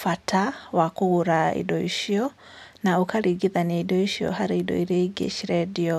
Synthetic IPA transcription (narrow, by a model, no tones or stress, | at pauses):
fatʰawakuuɾaḭdoḭʃiɔ | naukaɾiɡiðaneidoiʃiɔ̰ɦaɾiidɔ̰iɾeiɡḛʃiɾɛdio